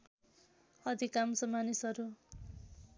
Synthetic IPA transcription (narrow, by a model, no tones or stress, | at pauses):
ʌd̪ʱikamsʌmanisʌɾu